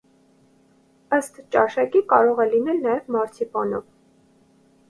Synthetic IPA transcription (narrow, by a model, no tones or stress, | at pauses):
əst̪t͡ʃɑʃɑkikɑɾɔʁɛlinɛlnɑjɛvmɑɾt͡sʰipɑnɔv